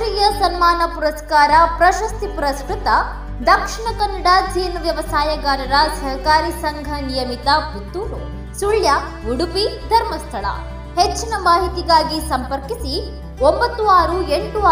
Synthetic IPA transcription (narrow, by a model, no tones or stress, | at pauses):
ɾijɐsɐnmaːnɐpuɾɐskaːɾɐpɾɐʃɐst̪ipuɾɐskɾut̪ɐ | d̪ɐkʂiɳɐkɐnːɐɽɐd͡ʒʱeːnɐʋjɐʋɐsaːjɐɡaːɾɐɾɐsɐɦɐkaːɾisɐŋɡʱɐnijɐmit̪ɐput̪ːuːɾu | suɭja | uɽupid̪ʱɐɾmɐst̪ʰɐɭɐ̰ | het͡ʃːinɐmaːɦit̪iɡaːɡisɐmpɐɾkisi | ombɐt̪ːuaːɾueɳʈu